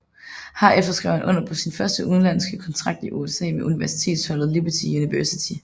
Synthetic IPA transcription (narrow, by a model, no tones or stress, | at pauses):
hɑ̈efd̥ɐsɡ̥ʁɛ̰ʊ̰hnʔɔ̽n̰ɐpʰɒ̽sinfɶɐsd̥əʔuðˠn̩læn̰sɡ̥əkʰɒ̽nt͡sʰʁɑ̈ɡ̥̚d̥iʔuesɛ̰ːmeʔuniʋæɐsi̥t͡sʰe̝̰ːd̥shɒ̽l̰ð̩ˠlib̥ɐt͡sʰijuniʋøsit͡sʰi